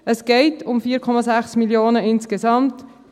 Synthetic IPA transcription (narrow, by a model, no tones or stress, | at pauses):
əsɡ̥eɪtʊmfiːɾkʰɔmɑzæχsmiljoːnəɪnskezɑmt